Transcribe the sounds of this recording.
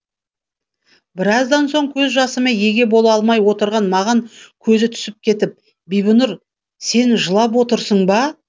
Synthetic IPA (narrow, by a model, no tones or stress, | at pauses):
bɪɾɑzd̪ɑnso̞ɴkʲʰɵzʒɑsəmeje̞ɡʲe̞bo̞lˠɑlˠmɑjwo̞t̪əɾʁɑnmɑʁɑŋkʲʰɵzɪt̪ʰʏ̥sɪp̚kʲʰe̞t̪ɪp̚ | bijbənʊɾ | se̞nʒəlˠɑpwo̞t̪əɾsəɴbɑ